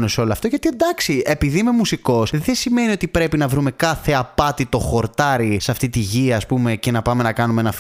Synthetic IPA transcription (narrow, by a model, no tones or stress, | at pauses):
neseo̞loɐft̪o̞ʝɐt̪iend̪ɐksie̞piðime̞musiko̞sðesime̞nio̞t̪ipɾe̞pinɐvɾume̞kɐθe̞ɐpɐt̪it̪o̞xo̞ɾt̪ɐɾisɐft̪it̪iʝiɐːspume̞ce̞nɐpɐme̞nɐkɐnumeenɐf